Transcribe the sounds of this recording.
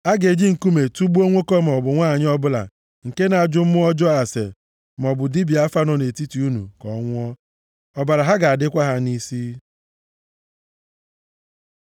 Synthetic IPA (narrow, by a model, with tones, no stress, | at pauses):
a˦ɡe˨d͡ʒi˦ŋ̩˨ku˦me˨tu˦ɡ͡bu˦o˦ŋʷo˦kɔ˦m̩˨ɔ˨bʊ˨ŋʷa˦˨ɲ˦ɔ˦bʊ˦la̰˨ | ŋ̩˨ke˦na˨a˨d͡ʒʊ˦m̩˦mʊ˦ɔ˦d͡ʒɔ˦a˨sḛ˨ | m̩˨ɔ˨bʊ˨di˦bi˨a˦fa˦nɔ˨ne˨ti˦ti˨u˦nṵ˨kɔ̰˨˦ŋʷʊ˦ɔ˦ | ɔ˨ba˨ɾa˨ɦa˦ɡa˨a˨dɪ˦kʷa˦ɦa˦ni˦si˦